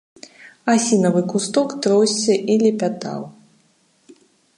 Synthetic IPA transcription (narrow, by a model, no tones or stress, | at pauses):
asʲinɐvɨkust̪ɔkt̪ɾɔwsʲt͡sːʲɐʔilʲɛpʲat̪a̰w